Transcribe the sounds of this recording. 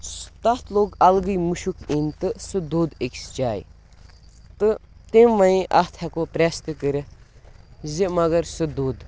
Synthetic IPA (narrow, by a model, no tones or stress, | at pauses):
st̪ɐt̪ʰloːɡɐlɡɨjmuʃukʰint̪ɨsɨd̪uːd̪ekʲsd͡ʒaːj̰ | t̪ɨt̪emʋɐjĩʔɐht̪ʰhɛkoːpɾɛst̪ɨkəɾɨ | zimɐɡɐɾsɨd̪uːd̪